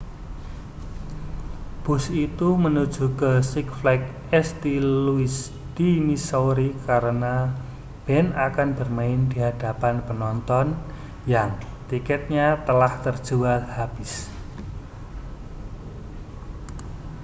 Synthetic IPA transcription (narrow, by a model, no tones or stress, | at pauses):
b̥ṳsit̪umənud̥ʒ̥ṳkəsɪkflɛk̚ | ɛst̪iluis | d̪̥imisoɾikaɾəna | b̥ɛnakanbərmaɪnd̪̥iɦad̥apanpənɔnt̪ɔn | jaŋt̪ikɛt̪̚ɲat̪əlaht̪ərd̥ʒ̥ualhab̥ɪ̤s